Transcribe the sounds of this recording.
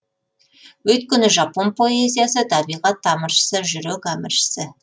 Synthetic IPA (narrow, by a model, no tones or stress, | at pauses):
wɵjt̪kʲʏnɪʒɑponpʰoezʲijasət̪ʰɑbiʁɑt̪ːɑməʃsəʒʏɾøkɑməʃsɘ